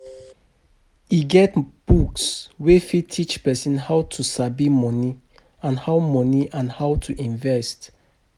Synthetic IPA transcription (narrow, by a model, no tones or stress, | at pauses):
iɡɛtb̥ukswefitʰit͡ʃpɛsɛ̃nhawtʰusabimɔni | ãnhaʊmɔniʔãnhawtʰuʔĩnvɛst